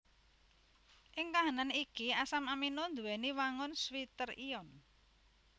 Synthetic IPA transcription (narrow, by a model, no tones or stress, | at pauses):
ʔɪŋkaɦananikiasamaminond̪uweniwaŋʊnswit̪ərijɔn